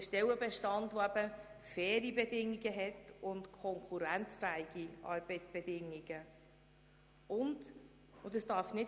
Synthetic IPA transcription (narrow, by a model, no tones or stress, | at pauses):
əʃtɛwəbɛʃtɑntvoæb̥ə | fɛːɾibɛdɪŋːiɡəɦɛtʊntkʰɔŋkʰχuɾænt͡sfæɪɡ̥iʔɑ̰ːɾb̥əɪt͡sb̥ɛd̥ɪŋiɡ̥ə | ʊnd | ʊd̪əsd̥ɑːɾfnɪ